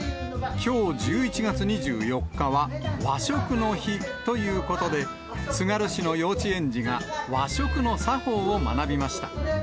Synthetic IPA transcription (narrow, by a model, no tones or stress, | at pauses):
kʲo̞ːd͡ʑɨːit͡ɕiɡat͡sɨɲ̟iʑɨ̰ːjo̞kːaβaβaɕo̞kɯ̟no̞çit̪o̞jɯ̟ːko̞t̪o̞d̪e̞ | sɨɡaɾɯ̟ɕino̞jo̞ːt͡ɕiẽ̞ɲd͡ʑiɡaβaɕo̞kɯ̟no̞saɸo̞ːoma̰nabʲimaɕi̥t̪ḁ